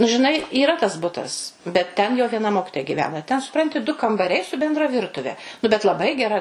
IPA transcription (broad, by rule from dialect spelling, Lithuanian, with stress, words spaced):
nʊ ʒʲɪˈnɐɪ iːˈrɐ tɐs ˈbʊtɐs bʲɛt ˈtʲɛn jɛʊ ʋʲiɛˈnɐ ˈmoːkʲɪtoːjɛ ɡʲɪˈʋʲæːnɐ tʲɛn sʊˈprɐnʲtʲɪ dʊ kɐmbɐˈrʲɛɪ sʊ bʲɛnˈdrɐ ˈʋʲɪrtʊʋʲɛ nʊ bʲɛt lˠɐˈbɐɪ ɡʲɛˈrɐ